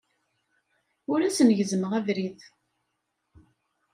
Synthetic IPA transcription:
ʊɾæsənʝəzəməʁævɾið

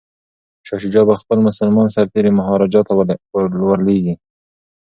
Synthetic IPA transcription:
ʃɑʃid͡ʒɑbaxpəlmʊsalmɑnsaɾt̪eɾemʊɦɑɾɑd͡ʒɑt̪awlwaleɡi

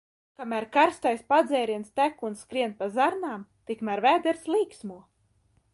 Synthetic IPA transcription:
kamæːɾkaɾst̪ajspad̪zɛːɾiɛnst̪ækunskɾiɛnpazaɾnaːmt̪ikmæɾvæːd̪ɛɾslˠiːksmuɔ

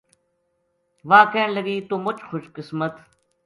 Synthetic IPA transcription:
ʋaːkeːɳləɡiːt̪umʊt͡ʃxʊʃkɪsmət̪

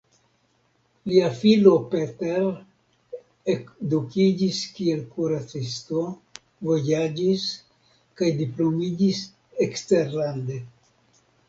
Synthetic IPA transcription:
liafilo̞pete̞ɾ | ekdukid͡ʒiskie̞lkuɾat͡sisto̞ | vo̞jad͡ʒis | kajdiplo̞mid͡ʒis | ekste̞ɾlande̞

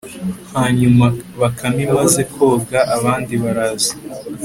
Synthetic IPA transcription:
haːɲumaβakʰamimaze̞kʰo̞ːɡaʔaβaːndiβaɾazi

